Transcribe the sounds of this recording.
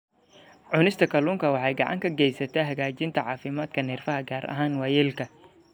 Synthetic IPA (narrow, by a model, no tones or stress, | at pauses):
ʕʊnɪst̪ʰɐkʰɐluːŋkʰɐwɑħɑjɡɑʕɑ̰ŋkʰɐɡɛjsɐt̪ʰaɦɐɣaːt͡ʃɪnt̪ʰɐʕɑːfɪmaːd̪kʰɐnɪːrfɐɦɐɡaːɾʔɐ̰ɦaːnwɑːjɛlkʰɐ